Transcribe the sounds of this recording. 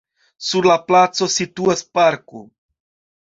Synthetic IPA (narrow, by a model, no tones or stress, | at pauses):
suɾlaplat͡so̞situaspaɾko̰